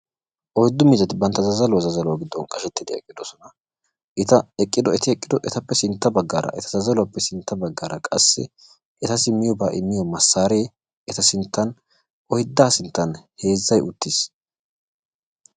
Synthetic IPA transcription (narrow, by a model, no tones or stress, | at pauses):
ʔɔjd̪ːʊmɪzɐt̪ɪbɐnt̪ːɐzɐzɐlʊwɐzɐzɐlʊwaɡɪd̪ːɔnkʼɐʃɛt̪ːɪd̪ɛɛ̰kʼːɪd̪ɔsɔnɐ | ʔɛt̪ɐɛkʼːɪd̪ɔɛt̪ɪɛkʼːɪd̪ɔʔɛt̪ɐpːɛsɪnt̪ːɐbɐɡːaːɾɐ̰ʔɛt̪ɐzɐzɐlʊwɐpːɛsɪnt̪ːɐbɐɡːaːɾɐkʼɐ̰sːɪ̰ | ʔɛt̪ɐsɪmːɪjɔbaːʔɪmːɪjɔmɐsːaːɾeː | ɛt̪ɐsɪnt̪ːɐn | ʔɔhɪd̪ːaːsɪnt̪ːɐnhe̞ːzːɐjʊt̪ːɪs